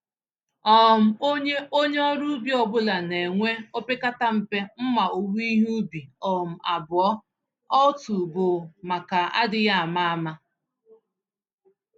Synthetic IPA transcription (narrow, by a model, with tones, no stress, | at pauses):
ɔ˨m̩˨o˦ɲe˦ʔo˦ɲe˦ɔ˦ɾu˦bi˦ɔ˨bʊ˦la˨ne˨ŋʷe˦o˦pe˦ka˦ta˦m̩˨pe˦m̩˦ma˨o˨wi˦ɦu˦bi˨ɔ˨m̩˨a˨bʊ˨ɔ˦ | ɔ˦tu˨bʊ˨ma˨ka˨a̰˦dɪ˨ja˦a˨ma˦a˦ma˦